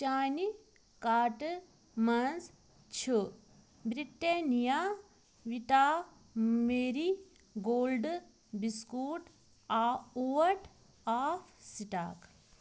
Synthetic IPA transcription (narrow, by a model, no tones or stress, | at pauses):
t͡ʃaːni | kaːʈ | mɐns | t͡ʃʰu | bɾiʈːenija | ʋit̪aː | meːɾi | ɡoːlɖ | biskuːʈ | aːuʋɐɾʈ | aːfʰsiʈa̰ːk